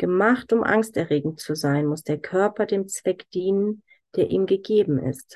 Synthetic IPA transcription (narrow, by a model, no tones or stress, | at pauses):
ɡ̥əmaχtʊmʔa̰ŋstɛɐʁeːɡŋ̩t͡suzaɪnmʊsd̥eːɐkʰœɐpɐdeːmt͡sv̥ɛkd̥iːnən | d̥eːɐʔiːmɡəɡeːbm̩ʔɪ̰st